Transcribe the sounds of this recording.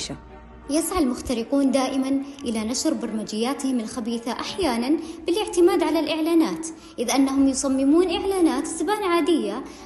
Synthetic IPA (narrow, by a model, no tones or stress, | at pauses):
ʃa | jɪsʕalmʊxt̪aɾɪquːnd̪aːʔɪmanʔɪlanaʃɾbɑɾˤmad͡ʒɪjːaːt̪hɪmɪlxabiːθaʔaħjaːnanb̥ɪlɪʕt̪ɪmaːd̪ʕalalʔɪʕlaːnaːt̪ | ʔɪðʔanːaɦʊmjʊsˤɑmːɪmuːnʔɪʕlaːnaːt̪sabaːnʕaːd̪ɪjːa